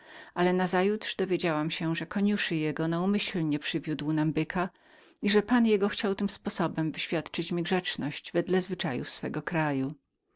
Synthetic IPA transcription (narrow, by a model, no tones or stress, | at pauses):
ʔalɛnazajut̪ʂd̪ɔvʲjed͡ʑawamɕɛʐɛkɔɲuʂɘjɛɡɔnaumɘɕlɲɛpʂɘvʲjud̪wnambɘkʰa | iʐɛpanjɛɡɔxt͡ɕawt̪ɘmspɔsɔbɛmvɘɕfʲjat̪t͡ʂɘt͡ɕmʲiɡʐɛt͡ʂnɔɕd͡ʑvɛd̪lɛzvɘt͡ʂa̰jṵsfɛɡɔkɾaju